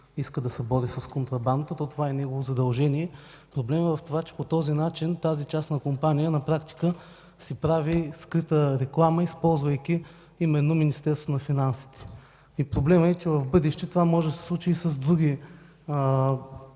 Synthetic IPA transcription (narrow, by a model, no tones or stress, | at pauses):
iskəd̪ɐsɛbɔɾisɐskont̪ɾɐband̪ət̪ɔt̪ovaɛnɛɡovozɐd̪ɐlˠʒɛnijɛ | pɾoblɛmɛvɐft̪ovat͡ʃɛ̥pot̪ɔzinat͡ʃint̪azit͡ʃasnɐkompanijənɐpɾakt̪i̥kə | sipɾaviskɾit̪əɾɛklˠaməispɔlˠzvɐjk̟ʲi | imɛnːominist̪ɛɾst̪vot̪onɐfinansi̥t̪ɛ̥ | ipɾoblɛmɛt͡ʃɛvɐvbɤd̪ɛʃt̪ɛt̪ovamɔʒɛd̪əsɛ̥slˠut͡ʃiːsɐzd̪ɾuɡ̟i